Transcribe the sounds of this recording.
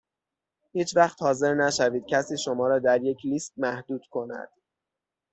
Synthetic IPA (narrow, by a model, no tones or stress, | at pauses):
hiːt͡ʃvæχt̪hɒːze̞ɾnæʃæviːd̪̥̚cʰæsiːʃo̞mɒːɾɒːd̪æɾje̞cʰliːst̪̚mæhd̪uːd̪̥kʰo̞næ̰d̪̥